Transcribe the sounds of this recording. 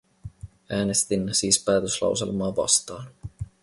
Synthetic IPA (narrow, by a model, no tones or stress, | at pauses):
ʔæːne̞st̪inːesiːspæːt̪øslɑ̰wsḛlmɑːʋɑ̰st̪ɑːn